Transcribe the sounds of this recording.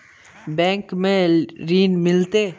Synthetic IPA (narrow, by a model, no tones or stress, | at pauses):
bɛ̃ːŋkmẽɾiːnmɪlt̪e